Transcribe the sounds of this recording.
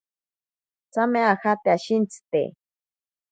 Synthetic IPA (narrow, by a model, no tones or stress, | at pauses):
t͡sameaxat̪eaʃint͡si̥t̪ḛ